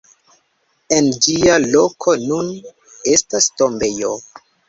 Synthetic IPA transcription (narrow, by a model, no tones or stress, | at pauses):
e̞nd͡ʒialo̞kʰo̞nun | e̞stasto̞mbe̞jo